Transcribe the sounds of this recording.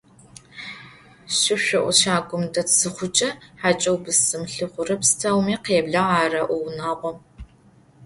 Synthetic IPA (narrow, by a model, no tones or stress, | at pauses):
ɕɪɕʷɪʔʷʊʃaːɡʷʼʊmdɐtsɨχʷʊt͡ʃʼɐħaːt͡ʃʼɐwbɨsɨmɬɨχʷʊɾɨpstʰɐwmiːqeːbɮɐʁaːrɐʔʷʊwnaːʁʷɔ